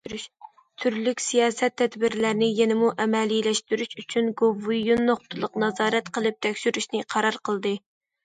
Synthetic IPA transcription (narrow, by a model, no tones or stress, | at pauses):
t̪ʰyɾlykʲsijɑːsɛt̪ʰːɛd̪bɪɾlæɾnɪjɛnɪmuʔɛmɛlilɛʃt̪yɾyʃyt͡ʃʰynɡovujunːoχt̪ʰɨlˠəqnɑzɑːɾɛt̪qʰəlˠɨp̚t̪ʰɛkʲʃyɾyʃnɨqʰɑɾɑɾqʰəlˠd̪ɨ